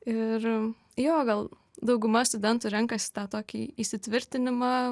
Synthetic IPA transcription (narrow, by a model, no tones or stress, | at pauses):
ɪr | joːɡɐlˠ | d̪ɒʊɡʊmɐst̪ʊd̪ʲɛnt̪uːɾʲɛŋkɐsʲɪ̥t̪ɑːt̪oːkʲiiːsʲɪt̪ʲʋʲɪɾʲt̪ʲɪnʲɪmɑː